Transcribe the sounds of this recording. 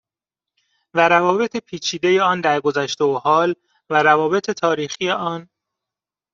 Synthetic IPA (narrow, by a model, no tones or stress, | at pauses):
væɾævɒːbe̞t̪ʰepʰiːt͡ʃʰiːd̪eje̞ɒːnd̪æɾɡo̞zæʃt̪eohɒːl | væɾævɒːbe̞t̪ʰet̪ʰɒːɾiːxije̞ʔɒːn